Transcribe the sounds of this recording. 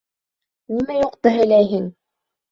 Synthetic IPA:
nimæjoqt̪ɤɦilæjɦɘŋ

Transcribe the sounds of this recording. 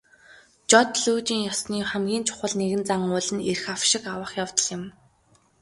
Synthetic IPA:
t͡ɕɔt̪ɮuːt͡ɕiːŋjɔsniːχæmɡʲiːnt͡ɕʰʊ̥χə̆ɮneɣɘ̆nt͡saŋʊɮɘ̆nerxawʃɪ̆kawə̆χjaw̥t̪ə̆ɮjɪ̆m

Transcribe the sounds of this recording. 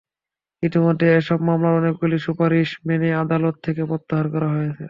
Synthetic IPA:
it̪imot̪ːeeʃɔbmamlaɔnek̚buliʃupaɾiʃmenead̪alot̪ʰːekebɔt̪ːaɦaɾkɔɾaɦojet͡ɕʰḛ

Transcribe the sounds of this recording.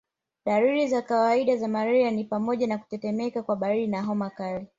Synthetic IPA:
ɗaɾuɾizakawaiɗazamaɾɛanipamɔʄanaku̥tɛtɛmɛkakwaɓaɾiɾinaɦɔmakali

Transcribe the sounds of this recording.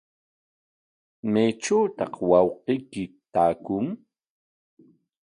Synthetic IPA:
majʈ͡ʂawt̪ɑ̰qwɑwqijkɪ | t̪aːkʊŋ

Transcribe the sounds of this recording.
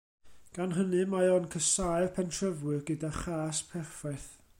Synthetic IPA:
ɡ̥anɦənɨmaɔnkʰəsajrpʰɛntʰrəvwɨrɡədaχaːspʰɛrfaɨθ

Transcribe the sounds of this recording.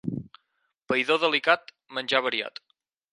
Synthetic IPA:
pəjðoðəlikat̪ | mənʲʒaβəɾia̰t̪

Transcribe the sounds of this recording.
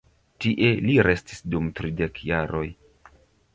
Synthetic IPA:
tiʔe̞liɾe̞stisdumtɾide̞kjaɾo̞j

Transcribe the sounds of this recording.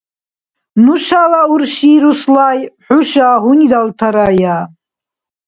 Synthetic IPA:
nuʃalaurʃiːɾuslajħʊʃahʊnid̪altʰaɾaja

